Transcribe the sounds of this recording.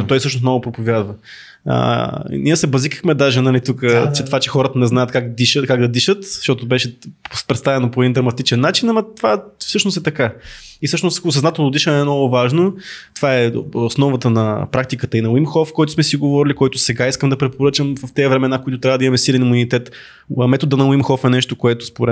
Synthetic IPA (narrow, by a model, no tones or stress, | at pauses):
t̪ɔjsɤʃ̬nosnɔɡʊpɾopovʲjad̪və | ə̰niəsɛbɐzikəxmɛd̪aʒɛnɐlit̪ukət͡ʃɛt̪ovat͡ʃɛxɔɾət̪ənɛznajət̪kakd̪iʃəkaɡ̚d̪ɐd̪iʃət̪z̥ʃt̪ɔt̪obɛʃɛspɾɛt̪st̪avɛnopoɛd̪ind̪ɾɐmɐt̪it͡ʃɛnːat͡ʃinɐmɐt̪ovafsɤʃnost̪ɛt̪ɐkaisɤʃnossɐznat̪ɛlˠnod̪iʃənɛmnɔɡʊvaʒnot̪ovaɛosnɔvət̪ənɐ̰pɾak̚t̪ikət̪əinɐwimxɔfkɔjt̪ʊsmɛsiɡovɔɾilikɔjt̪ʊsɛɡaiskəmd̪ɐpɾɛpoɾɤt͡ʃəmvɐft̪ɛɐvɾɛmɛnakoit̪ʊt̪ɾʲavəd̪imɐmɛsilɛnimunit̪ɛt̪ | ɐmɛt̪od̪ənɐwimxɔfɛnɛʃt̪okoɛt̪ʊ̥spoɾɛ